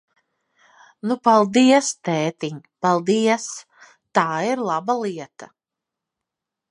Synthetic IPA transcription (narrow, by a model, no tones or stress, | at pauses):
nupalˠd̪iɛst̪ɛːt̪iɲpalˠd̪iɛs | t̪aːiɾlˠabalˠiɛt̪a